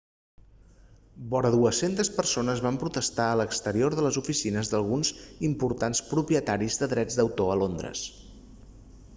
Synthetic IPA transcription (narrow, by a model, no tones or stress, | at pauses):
bɔɾəðuəsent̪əspərsonəzβampɾut̪əst̪aələkst̪əɾioɾðələzufisinəzðəlˠɣunzimpuɾt̪anspɾupiət̪aɾizðəðɾɛd͡zd̪əwt̪oəlond̪ɾə̰s